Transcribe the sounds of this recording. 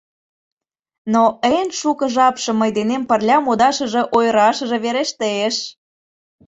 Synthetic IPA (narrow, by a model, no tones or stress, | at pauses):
noʔenʃukəʒɑpʃɤ̆mːəjd̪enempə̆rlʲɑmod̪ɑʃə̆ʒĕʔojɾɑʃə̆ʒĕβeɾeʃt̪əeʃ